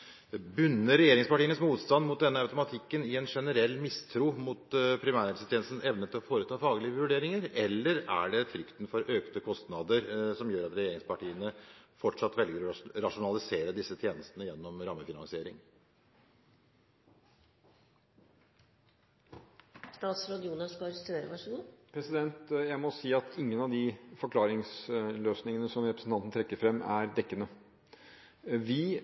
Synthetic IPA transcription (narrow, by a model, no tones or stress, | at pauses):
bʉnːəɾɛjeːɾɪŋspɑʈiːənəsmuːt̪st̪ɑnmʊt̪̚d̪ɛnːəɑʉt̪ʊmɑt̪ʰɪkːənɪɛnʂɛnəɾɛlːmɪst̪ʰɾuːmʊt̪pʰɾɪmæːɾɛksət̪ʰɛːnsn̩ɛʋnət̪ʰɪlɔfoːɾət̪ʰɑːfɑːɡlɪəʋʉɖeːɾɪŋəɾɛlːəɾæ̰ɖɛfɾʏkt̪nfɔɾʔøːkt̪əkʰɔst̪nɑd̪əɾsɔmjøːɾɑt̪ɾɛjeːɾɪŋspɑʈiːənəfɔʈʂɑt̪ːʋɛlɡəɾɔɾɑʂʊnɑlɪseːɾəd̪ɪsːət̪ʰjeːnəst̪ənəjɛnːɔmɾɑmːəfɪnɑ̰ŋsɪeːɾɪ̰ŋ | st̪ɑːt̪sɾod̪uːnɑskɑɑɾəst̪ɾeːɾəʋɑʂəɡuːpʰɾɛsɪd̪ɛnt̪jæɪmɔsiːɑt̪ʰɪŋːənɑʋd̪ɪfɔɾkʰlɑːɾɪŋsløːsnɪŋənəsɔmɾɛpɾəsn̩t̪ɑnt̪nt̪ʰɾɛkːəɾfɾɛmːæɾd̪ɛkːənə | ʋɪ